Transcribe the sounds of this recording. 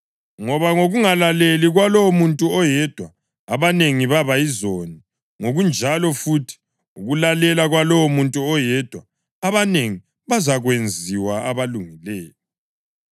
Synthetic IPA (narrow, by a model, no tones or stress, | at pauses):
ŋɔβaŋoɣuŋalaleliɣwalowomuntʼuɔjɛd̥ʱwa | aβaneŋiβaβaizoni | ŋoɣund͡ʒʱalɔfutʰi̥ | uɣulalɛlaɣwalɔwɔmuntʼuɔjɛd̥ʱwa | aβaneŋi | βazaɣwend͡zʱiwaaβaluŋilɛːjɔ